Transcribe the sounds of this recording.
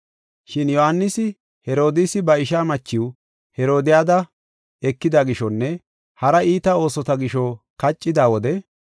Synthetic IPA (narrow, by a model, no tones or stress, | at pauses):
ʃɪnjɔhanːɪsɪ | hɛɾo̞ːd̪ɪsɪbɐɪʃaːmɐt͡ʃːɪw | hɛɾo̞ːd̪ɪjaːd̪ɐ | ɛkːɪd̪aɡɪʃɔnːɛ | hɐɾɐiːt̪ɐo̞ːsɔt̪ɐɡɪʃɔkɐt͡ʃʼːɪd̪aːwɔd̪ɛ